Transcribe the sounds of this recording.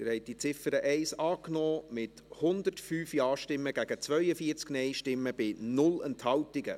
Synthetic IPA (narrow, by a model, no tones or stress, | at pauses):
ɪɾhɛɪt̚d̥it͡sɪfəɾəʔɛɪsɑːknɔːmɪt | hʊnd̪ətfyːfjɑːʃtɪmːəɡæɡ̥ət͡sʋœʏəfiəɾt͡sknɛɪʃtɪmːəb̥ɪnʊlɛnthɑwtɪɡə̰